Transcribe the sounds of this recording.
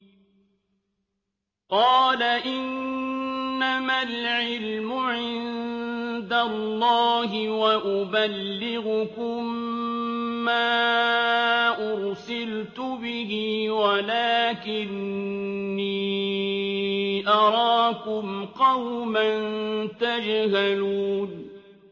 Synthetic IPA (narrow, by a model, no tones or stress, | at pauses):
qɑːlaʔɪnː | amalʕɪlmʊʕɪn | d̪alˤːɑːɦɪwaʔʊbalːɪɣʊkʊmː | aː | ʔʊɾsɪlt̪ʊbɪhiːwalaːkɪnː | iː | ʔɑɾˤɑːkʊmqɑwmant̪ad͡ʒɦaluːn